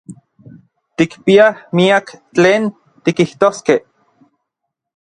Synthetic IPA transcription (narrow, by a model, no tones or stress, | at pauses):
t̪ikpiahmiakt͡ɬeːn | t̪ikiht̪oːskeh